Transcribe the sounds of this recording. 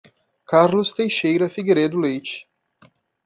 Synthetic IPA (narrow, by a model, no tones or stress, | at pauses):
kaɾlʊst̪ejʃejɾɐfiɡeɾed̪ʊlejt͡ʃɪ̥